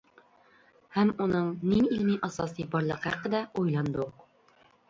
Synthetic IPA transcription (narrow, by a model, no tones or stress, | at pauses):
hæmunɤɴniilmiʔɑsɑsibɒɾlˠɤqhæqəd̪æujlˠɑnd̪ɤq